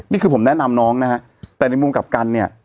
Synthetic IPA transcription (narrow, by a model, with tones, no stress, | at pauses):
niː˥˩kʰɯː˧pʰo˩˦mnɛ˦˥na˧mnɔː˦˥ŋna˦˥kʰa˦˥ | t̪ɛː˨˩na˧jmu˧mka˨˩p̚ka˧nːi˥˩ɐ